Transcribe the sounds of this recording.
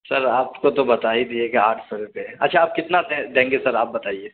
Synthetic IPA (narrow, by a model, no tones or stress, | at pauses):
sɐɾaːpkot̪obɐt̪aːid̪iekea̰ːʈʰsɔɾupeɐ̰tːʃʰaːp̚kɪt̪nad̪ed̪ẽːŋɡesɐɾaːp̚bɐt̪aːieː